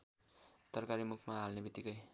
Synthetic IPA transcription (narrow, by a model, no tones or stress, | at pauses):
t̪ʌrkaɾimukʰmaɦalnebit̪ːikʌj